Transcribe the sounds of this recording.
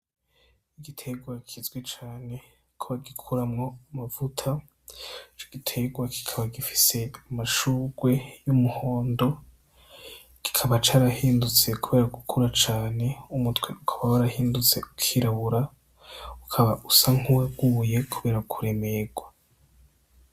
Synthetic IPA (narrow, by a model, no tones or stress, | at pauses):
iɡitʰe̞ɡwakʰizɡwe̞t͡ʃaːne̞ | kʰoβaɡikʰuɾamŋo̞amavutʰa | t͡ʃoɡ̥itʰe̞ɡwaki̥kʰaβaɡifi̥se̞amaʃuɡwe̞jumuhoːndo̞ | ki̥kʰaβat͡ʃaːɾahiːndut͡se̞kʰuβe̞ːɾaɡukʰuɾat͡ʃaːne̞umutweʔukʰḁβawaɾahiːndut͡se̞ukʰiɾaβuɾa | ukʰaβaʔusaŋ̥uwaɡuje̞kʰuβe̞ːɾakʰuɾe̞me̞ɡ̥wa